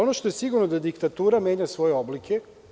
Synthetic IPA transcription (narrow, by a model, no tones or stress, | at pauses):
o̞noʃt̪o̞jesiɡuɾno̞d̪ad̪ikt̪at̪uːɾamje̞ːɲasʋo̞jeo̞blikʰe̞